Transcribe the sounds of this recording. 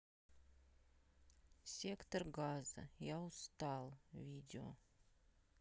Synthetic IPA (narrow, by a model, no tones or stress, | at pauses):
sʲekt̪orɡazə̰jɑust̪ɑlˠvʲidʲɪo̰